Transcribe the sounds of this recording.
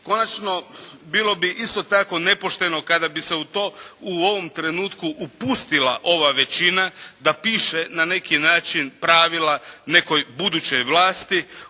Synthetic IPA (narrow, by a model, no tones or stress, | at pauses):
ko̞nat͡ʃno̞biːlˠo̞biʔist̪o̞t̪ako̞ne̞po̞ʃt̪e̞no̞kad̪abise̞ut̪o̞ːuo̞ʋo̞mt̪ɾe̞nuːt̪kuʔupust̪ila̰ʔo̞ʋaʋe̞t͡ɕinad̪apiːʃenane̞kinaːt͡ʃinpɾaʋilane̞ko̞jbud̪ut͡ɕo̞jʋlaːst̪i